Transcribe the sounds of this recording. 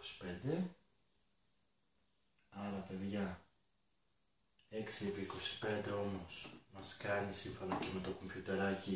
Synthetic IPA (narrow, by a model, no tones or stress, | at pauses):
osi̥pe̞nd̪e̞ | ɐɾɐpe̞ðʝɐ | e̞ksieviːko̞si̥pe̞nd̪e̞o̞mo̞smɐskɐnisiɱfo̞nɐce̞met̪oko̞mpçut̪e̞ɾɐci